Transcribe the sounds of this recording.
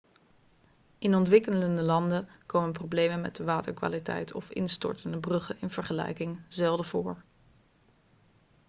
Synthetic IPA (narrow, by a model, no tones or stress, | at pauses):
ʔɪnɔntʋɪkələndəlɑndəkowmənprowblejmənmɛ̰t̚dəʋaːtəɹkʋa̰ːlitɛ̰jtʰɔ̰fɪ̰nstɔ̰ɹtəndəbrɵχəɪnv̥əɹχəlɛ̰jkɪŋzɛlˠdəv̥ʊːɹ